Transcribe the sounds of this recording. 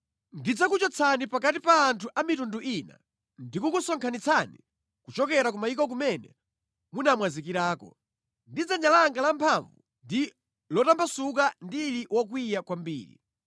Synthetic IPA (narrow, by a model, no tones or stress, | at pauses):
ndid͡zakut͡ʃɔt͡sʰanipakatipaːntʰuʔamitunduʔina̰ | ndikukusɔŋkʰanit͡sʰanḭ | kut͡ʃɔkɛɾakumaik̬ɔk̬umɛnɛ̰ | munamwazik̬iɾaːkɔ̰ | ndid͡zaɲalaŋɡalampʰaɱvu | ndi | lɔtambʰasuk̬andiliwɔk̬wijakwambḭːɾḭ